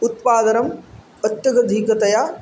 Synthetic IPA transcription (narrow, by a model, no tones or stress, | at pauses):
ʊt̪paːd̪ɐnɐm | ɐt̪jɐɡɐd̪ʱikɐt̪ɐjaː